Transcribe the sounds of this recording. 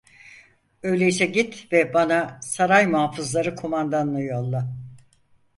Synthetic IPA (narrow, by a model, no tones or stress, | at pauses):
ø̞jlʲejisɛɟit̪vɛbanasaɾajmuɦaːfɯzlˠaɾɯkʰomand̪anlˠɯjolˠːa